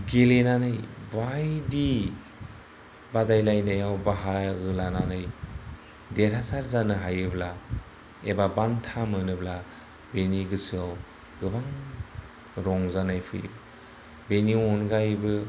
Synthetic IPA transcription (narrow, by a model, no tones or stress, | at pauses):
ɡelenanɯjbajdi | badajlajnajawbaɦaɡɯlananɯj | deɾɦasaɾzanɯɦajɯbla | ebabantʰamɯnɯbla | beniɡɯsɯaw | ɡɯbaŋ | ɾɔŋzanajpʰɯj̰ | beniɔnɡajbɯ